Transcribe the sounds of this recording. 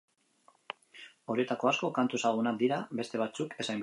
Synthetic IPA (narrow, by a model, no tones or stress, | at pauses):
o̞ɾie̞t̪ako̞asko̞kant̪uesaɣ̞unak̚d̪iɾabe̞st̪e̞β̞at͡suke̞sajm